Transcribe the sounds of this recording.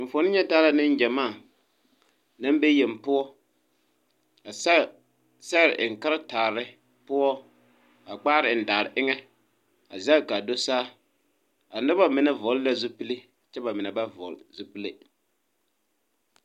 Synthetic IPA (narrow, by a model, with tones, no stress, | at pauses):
ɱ̩˨fo˨˦nɪ˦ɲɛ˦taː˦la˦nɪ˦n˦d͡ʒɛ˨maː˦˨ | na˦mbe˦jɛ˨m˨pʊ˦ɔ˦ | a˨˦ | sɛ˦ɾɪ˨ʔɪ˨ŋ̩˨ka˦ɾa˦taː˨ɾɪ˦ | pʊ˦ɔ˦ | a˨k͡paː˦ɾɪ˨n̩˨da˨ɾɪ˨ʔɪ˦ŋɛ˦ | a̰˨za˦˨ka˨do˦saː˦ | a˨nɪ˦ba˦mɪ˨nɛ˦vɔ˨˦lla˦zʊ˦pi˦le˦ | t͡ʃɛ˦ba˨mɪ˨nɛ˨ba˦vɔ̰˨lzʊ˦pi˦le˦